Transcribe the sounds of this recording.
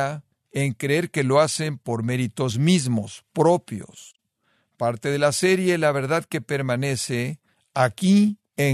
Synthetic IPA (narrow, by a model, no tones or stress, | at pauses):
a | eŋkɾeeɾke̞lo̞ase̞mpo̞ɾme̞ɾit̪o̞zmizmo̞spɾo̞pjo̞̰s | paɾt̪e̞ð̞e̞lase̞ɾje̞laβ̞e̞ɾðaðke̞pe̞ɾmane̞se̞ | aki | e